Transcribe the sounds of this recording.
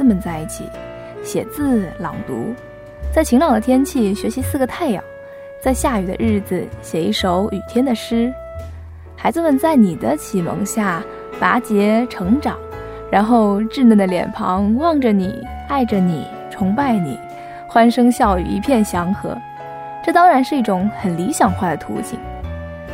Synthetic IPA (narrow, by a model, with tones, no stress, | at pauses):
mə˨nt͡sa˥˧ɪi˥˩t͡ɕʰḭ˨˩˦ | ɕjɛ˨˩t͡sɹ̩˥˧lɑ˨˩ŋt̪ṵ˧˥ | t͡sa˥˩ɪt͡ɕʰi˧˥ŋlɑ˨˩ŋd̪ə˩t̪ʰjɛ˥nt͡ɕʰi˥˩ɕɥɛ˧˥ɕi˧˥sɹ̩˥˩ɡə˩t̪ʰa˥˩ɪjɑ̰˨˩˦ŋ | t͡sa˥˧ɪɕja˥˩y˨˩ə̰˦ɻɻ̩˥˩d͡zɹ̩˨˩ɕjɛ˨˩i˧˥ʂo˧˥ʊy˨˩t̪ʰjɛ˥nd̪ə˨ʂɻ̩˥ | xa˧˥ɪd͡z̩˧mə˨nt͡sa˥˩ɪni˨˩d̪ə˦t͡ɕʰi˨˩mɤ̰˧˥ŋɕja˥˩ | pa˧˥t͡ɕjɛ˧˥ʈ͡ʂʰɤ˧˥ŋʈ͡ʂɑ˨˩˦ŋ | ɻa˧˥nxo˥˧ʊʈ͡ʂɻ̩˥˧nə˥˩nd̪ə˩ljɛ̰˨˩npʰɑ̰˧˥ŋwɑ˥˩ŋʈ͡ʂə˩nḭ˨˩ | a˥˩ɪʈ͡ʂə˩nḭ˨˩˦ | ʈ͡ʂʰʊ˧˥ŋpa˥˩ɪnḭ˨˩˦ | xwa˥nʂɤ˥ŋɕjɑ˥˩ʊy̰˨˩ḭ˧˥pʰjɛ˥˩nɕjɑ˧˥ŋxɤ̰˧˥ | ʈ͡ʂɤ˥˩t̪ɑ˥ŋɻa˧˥nʂɻ̩˥˧i˥˩ʈ͡ʂʊ˧˥ŋxə˨˩nli˧˥ɕjɑ˨˩ŋxwa˥˩d̪ə˩t̪ʰṵ˧˥t͡ɕʰḭ˨˩ŋ